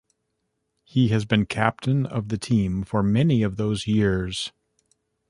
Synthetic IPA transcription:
hiɨzbɨ̃nkʰæp̚tʰɨ̃nʌ̰vðɨtʰĩɱfə˞mɛniʌvðoʊzjɪɹz̥

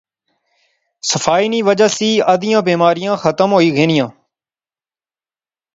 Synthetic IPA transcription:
səfaːiːniːʋəd͡ʒəːsiːəd̪ʱɪjãːbiːmaːɾɪjãːxət̪əmɦoːiːɡʱeːnɪjãː

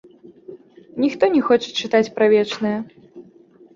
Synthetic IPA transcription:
nʲixt̪ɔnʲɛxɔt͡ʂɨ̥t͡ʂɨt̪at͡sʲpɾavʲɛt͡ʂnɨjɐ

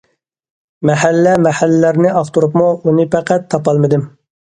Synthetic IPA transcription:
mɛhælːɛmɛhælːæɾnɪɑft̪uɾupmuunɨpʰæqæt̪ʰːɑpɑlˠmɨd̪ɪm

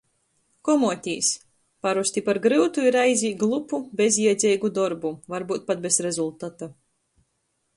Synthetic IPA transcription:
kɔmuːt̪ʲiːs | paɾust̪ʲipaɾɡɾɨwt̪uiɾajzʲiːɡlˠupubʲezʲiɛd̪zʲɛjɡud̪ɔɾbuvaɾbuːt̪̚pat̪̚bʲezɾezulˠt̪at̪a

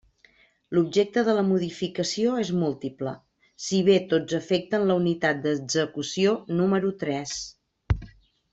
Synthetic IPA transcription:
lub̚ʒek̚t̪əðələmuðifikəsioezmulˠt̪iplə | siβ̞et̪od͡zəfɛk̚t̪ənləunit̪at̪̚d̪əɡzəkusionuməɾut̪ɾɛs

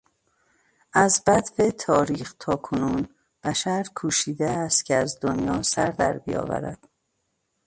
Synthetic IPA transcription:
ʔæzbæt̪vet̪ʰɒːɾiːxt̪ʰɒːkʰonuːn | b̥æʃæɾkʰuːʃiːd̪eæst̪cʰeæzd̪onjɒːsæɾd̪æ̰ɾbijɒ̰ːvæ̰ɾæ̰d̪̥

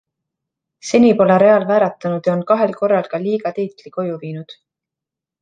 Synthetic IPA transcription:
se̞nipo̞leɾe̞ɑlvæːɾɑt̪ːˑɑnud̪̥jɑonkɑɦe̞lko̞rːɑlkɑliːɡɑt̪ejt̪ˑliko̞juviːnud̪̥

